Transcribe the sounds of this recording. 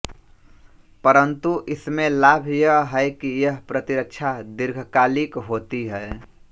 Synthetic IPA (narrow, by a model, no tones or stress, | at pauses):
pəɾənt̪uʔɪsmẽlaːbʱjəɦɦɛekijəɦpɾət̪iɾəkt͡ʃʰad̪ɪɾɡʱkaːlikɦoːt̪iɦɛe